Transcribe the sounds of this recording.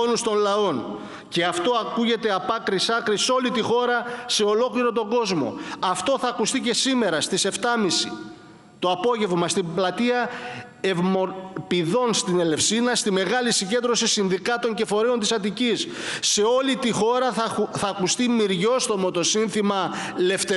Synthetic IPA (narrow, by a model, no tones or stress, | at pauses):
onust̪o̞nlɐo̞n | ce̞ɐft̪o̞ɐkuʝe̞t̪e̞ɐpɐkɾisɐkɾiso̞lit̪ixo̞ɾɐse̞o̞lo̞kliɾo̞t̪o̞ɡo̞zmo̞̰ɐft̪o̞θɐːkust̪ice̞sime̞ɾɐst̪ise̞ft̪ɐmisi | t̪oɐpo̞ʝe̞vmɐst̪iblɐt̪iɐ | evmopiðo̞nst̪ine̞le̞fsinɐst̪ime̞ɣɐlisiɟe̞nd̪ɾo̞sisinðikɐt̪o̞ɲce̞fo̞ɾeo̞nt̪̬isɐt̪icisː | e̞o̞lit̪ixo̞ɾɐθɐːkust̪imiɾʝo̞st̪o̞mo̞t̪o̞sinθimɐle̞ft̪e